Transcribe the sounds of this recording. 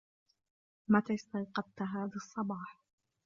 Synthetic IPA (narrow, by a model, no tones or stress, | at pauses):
mat̪aːɪst̪ɑjqɑb̚t̪aɦaːðasˤːɑbɑːħ